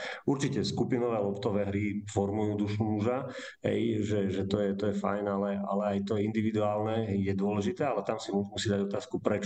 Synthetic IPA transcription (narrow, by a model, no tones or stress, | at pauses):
uɾt͡ʃicɛskupinɔʋɛːlɔpt̪ɔʋɛːɦɾifɔɾmujuːd̪uʃumuʒa | ɦɛ̰jʒɛʒɛt̪ɔjɛt̪ɔjɛfa̰jnalɛa̰lɛajt̪ɔjɛind̪iʋid̪uaːlnɛɦɛjjɛd̪ʊɔlɛʒit̪ɛːalɛt̪amsimumusiːd̪aɟɔt̪aːskupɾɛt͡ʃ